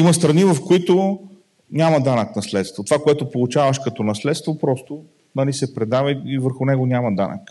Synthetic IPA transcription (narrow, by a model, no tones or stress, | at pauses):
imɐst̪ɾɐnivɐfkoit̪ʊ | nʲamɐd̪anəknɐslɛt̪st̪vot̪ovakoɛt̪opolˠut͡ʃavəʃkɐt̪ɔnɐslɛt̪st̪vopɾɔst̪o | nɐlisɛpɾɛd̪avəivəɾxʊnɛɡonʲamɐd̪anə̰k